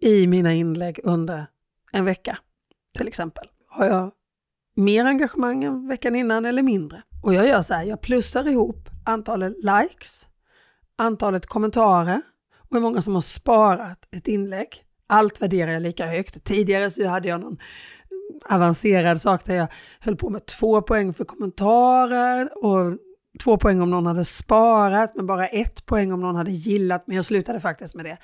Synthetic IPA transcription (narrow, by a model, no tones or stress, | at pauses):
ɪmiːnaɪnlɛɡːɵnd̪əɾ | ɛnvɛkːa | t̪ʰɪlɛksɛmpəl | haɾjɑː | meːɾaŋɡaɧəmaŋːɛnvɛkːanɪnːanɛlːəɾmɪnd̪ɾəɔjɑːɡjœːʂahæːjɑːɡ̚pʰlɵsːaɾɪhuːpːant̪ʰɑːlət̪lajks | ʔant̪ʰɑːlət̪kʰɔmːɛnt̪ʰɑːɾəɾ | ɔɛɾmɔŋːasɔmhaʂpɑːɾat̪ɛt̪ɪnːlɛɡː | ʔalt̪væɖeːɾaɾjaːliːkahœkt̪ʰːiːd̪ɪɡaɾəsɔhad̪ːəjɑːnɔn | avanseːɾad̪sɑːkd̪æjɑː | hœlːpʰɔmɛt̪ʰv̥oːpʰɔɛŋːfœɾkʰɔmːɛnt̪ʰɑːɾəɾɔ | t̪ʰv̥oːpʰɔɛŋːɔmnɔnhad̪ːəspɑːɾat̪mɛnbɑːɾaʔɛt̪pʰɔɛŋːɔmnɔnhad̪ːəjɪlːat̪mɛnjɑːɡslʉ̟ːt̪ad̪əfak̚t̪ɪst̪mɛd̪ɛ